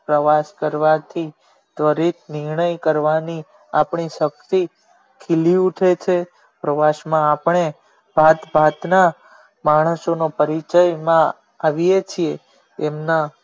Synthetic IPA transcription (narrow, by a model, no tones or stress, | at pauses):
pɾəʋaskəɾʋat̪ʰi | t̪ʋəɾit̪̚ʰnɪɾɳəjkəɾʋani | apɳiʃək̚t̪i | kʰiliuʈʰet͡ʃʰe | pɾəʋaʃmãapɳ̃e | bʱat̪bʱat̪na | maɽ̃əsonopəɾit͡ʃəjmã | aʋijet͡ʃʰieː | mna